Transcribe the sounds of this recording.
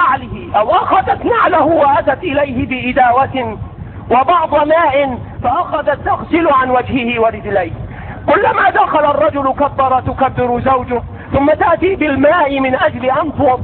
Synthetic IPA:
aʕlɪhɪʔawʔaxaðat̪naʕlahʊwaʔat̪at̪ʔɪlajɦɪbɪʔɪd̪aːwat̪ɪ | wabɑʕd̪ˤɑmaːʔɪn | faʔaxaðat̪ːaɣsɪlʊʕanwad͡ʒhɪhɪwaɾɪd͡ʒlajh | kʊlːamaːd̪axalaɑrˤːɑd͡ʒʊlʊkabːɑɾˤɑt̪ʊkabːɪɾʊzawd͡ʒʊh | θʊmːat̪aʔt̪iːbɪlmaːʔɪmɪnʔad͡ʒlɪʔant̪ʊɑ

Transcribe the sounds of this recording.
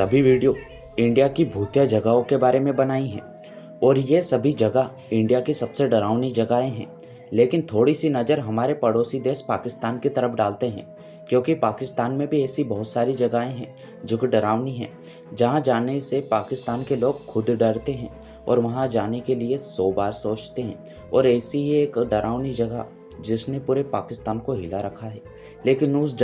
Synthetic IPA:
sɐbʱiʋiːɖijo | ɪ̃ɳɖijakibʱuːt̪jad͡ʒɐɡaõkebaːɾemẽbɐnaːiɦɛ̰̃ː | ɔːɾjesɐbʱid͡ʒɐɡa | ɪ̃ɳɖijakisɐbseɖɐɾaːʋnid͡ʒɐɡaːẽɦɛ̰̃ː | leːkɪnt̪ʰoːɽisinɐd͡ʒəɾɦɐmaːɾepɐɽoːsid̪eːspaːkɪst̪aːnkit̪ɐɾəfɖaːlt̪eɦɛ̰̃ː | kjõːkipaːkɪst̪aːnmẽbʱiɛːsibɐɦʊt̪saːɾid͡ʒɐɡaːẽɦɛ̃ː | d͡ʒʊkɖɐɾaːʋniɦɛ̰̃ː | d͡ʒɐɦãd͡ʒaːnesepaːkɪst̪aːnkeloːɡ̚kʰʊd̪ɖɐɽt̪eɦɛ̃ː | ɔ̰ːɾʋɐɦãd͡ʒaːnekeliesɔːbaːɾsoːt͡ʃt̪eɦɛ̰̃ː | ɔːɾɛːsiɦeːkɖɐɾʔaːʋnid͡ʒɐɡa̰ | d͡ʒɪsnepuːɾepaːkɪst̪aːnkoɦɪlaɾɐkʰaɦɛː | leːkɪnʊsd͡ʒ

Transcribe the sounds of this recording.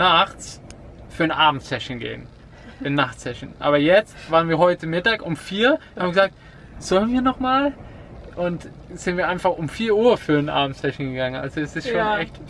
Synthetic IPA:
naχt͡s | fyːɐnʔaːbm̩tsɛʃn̩ɡḛːn̩ | ɪnːaχtsɛʃn̩ʔa̰ːbɐjɛt͡stvaːʁənviːɐɦɔʏtəmɪtaːkʊmfiːɐhaːbəɡəzaːk̚t | z̥ɔlənviːɐnɔχmaːlʔʊnt | z̥ɪntv̥iːɐʔaɪnfaχʊmfiːɐʔuːɐfyːɐnʔa̰ːbm̩tsɛʃn̩ɡəɡaŋənʔa̰lzoɛsɪstʃoːnɛçt

